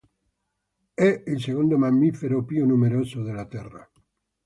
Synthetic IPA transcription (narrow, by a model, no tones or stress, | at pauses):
ɛilseɣond̪omamːifeɾopjunumeɾosoðelat̪ɛra̰